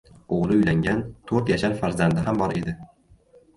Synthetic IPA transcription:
oʁlˠɪʊjlaŋɡʲant̪ʰɵɾt̪jaʃaɾfaɾzand̪ɪɦambɒɾe̞d̪ɪ

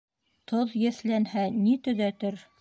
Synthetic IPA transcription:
t̪ʰoðjɘ̆θlænhænit̪ɵ̆ðæt̪ɘɾ

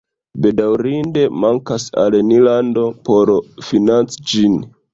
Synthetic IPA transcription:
be̞dawɾinde̞maŋkasa̰lenilando̞po̞ɾfinant͡sid͡ʒin

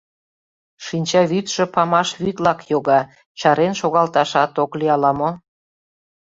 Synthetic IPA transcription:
ʃinʲt͡ɕɑβyt̪ʃĕpɑmɑʃβyt̪lɑkjoɣɑ | t͡ɕɑɾenʃoɣɑlt̪ɑʃɑt̪okliɑlɑmo

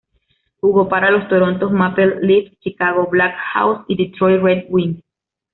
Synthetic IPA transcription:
huɣopaɾalost̪oɾont̪osmapelːift͡ʃikaɣoblakha̰wsid̪it̪ɾojred̪win

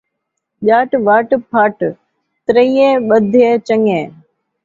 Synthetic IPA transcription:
ʄaːʈʋaːʈpʰaːʈ | t̪ɾəiːẽːɓəd̪ʱɪjeːt͡ʃəŋẽː

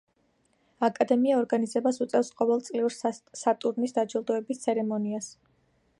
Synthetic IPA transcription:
akʼad̪ɛmiaɔɾɡanizɛbasut̪sʼɛfsqʼɔvɛlˠt̪sʼliuɾsat̪ʼuɾnisd̪ad͡ʒilˠd̪ɔɛbist̪sʰɛɾɛmɔnias

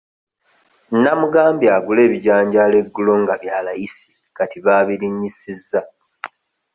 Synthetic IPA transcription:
namuɡaːmbjaːɡule̞ːβiɟaːɲɟale̞ɡːulo̞ŋɡaβjaːlajisi̥ | katiβaːβiɾiɲːisizːa

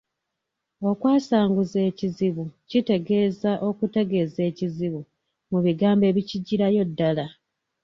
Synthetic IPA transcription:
o̞kwaːsaːŋɡuze̞ːciziβucite̞ɡe̞ːzaʔo̞kute̞ɡe̞ːze̞ːciziβu | muβiɡaːmbe̞ːβiciɟːiɾajo̞dːala

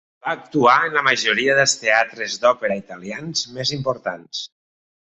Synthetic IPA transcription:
baːk̚t̪uaənləməʒoɾiəðəlˠst̪eat̪ɾəzd̪ɔpeɾəit̪əlianzmezimpoɾt̪ans

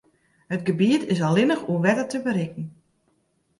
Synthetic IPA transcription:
hət̚ɡəbiətɪsalɪnəxuʋɛtətəbəɾɪkn̩

